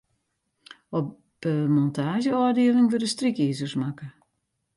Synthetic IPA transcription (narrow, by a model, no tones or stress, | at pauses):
ɔp | əmɔntʰaːʒjəɔdiəlɪŋʋødəstrikiːzərsmakə